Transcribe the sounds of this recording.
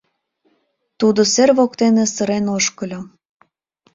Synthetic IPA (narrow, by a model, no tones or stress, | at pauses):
t̪ud̪oserβokt̪enesəɾenoʃkə̆lʲo